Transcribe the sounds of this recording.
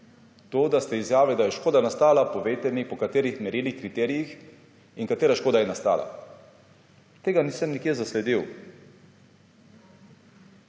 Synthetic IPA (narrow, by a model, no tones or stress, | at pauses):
t̪oːd̪ast̪ɛizjaːʋɛd̪ajɛʃkoːd̪anast̪aːlapɔʋeːt̪ɛnipɔkat̪eːɾixmɛɾiːlixkɾit̪ɛːɾijix | iŋkat̪eːɾaʃkoːd̪ajɛnast̪a̰ːla̰ | t̪eːɡaniːsəmnikjeːzaslɛd̪iw